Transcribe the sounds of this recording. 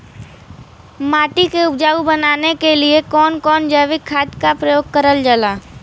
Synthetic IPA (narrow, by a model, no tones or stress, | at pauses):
maːʈikeʊpd͡ʒaːubənaːnekeliekɔːnkɔːnd͡ʒəːʋɪkʰːaːt̪kapɾəjoːɡ̚kəɾəld͡ʒəlaː